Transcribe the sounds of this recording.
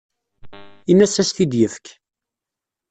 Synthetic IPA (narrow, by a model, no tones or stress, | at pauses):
inːæsæst̪id̪jəfək